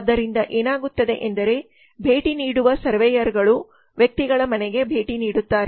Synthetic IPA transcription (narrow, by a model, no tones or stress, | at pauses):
d̪ːɐɾind̪ɐʔeːnaːɡut̪ːɐd̪e̞ʔend̪ɐɾe̞ | bʱe̞ːʈiniːɽuʋɐsɐɾʋɛjɐɾɡɐɭu | ʋjɐk̚t̪iɡɐɭɐmɐnɛɡe̞bʱe̞ːʈiniːɽut̪ːaːɾe